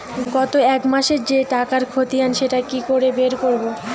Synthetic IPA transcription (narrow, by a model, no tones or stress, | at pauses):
ɡɔt̪oɛkmaʃeɾd͡ʑeʈakaɾkʰot̪ianʃeʈakikoɾebeɾkoɾbo